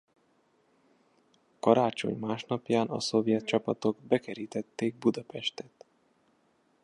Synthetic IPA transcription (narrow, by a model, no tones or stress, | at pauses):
kɒɾaːt͡ʃo̞̰ɲmaːʃnɒpjaːnɒ̰so̞vjɛt̪̚t͡ʃɒpɒt̪o̞ɡbɛkɛɾiːt̪ɛt̪ːeːɡ̚bud̪ɒpɛʃt̪ɛt̪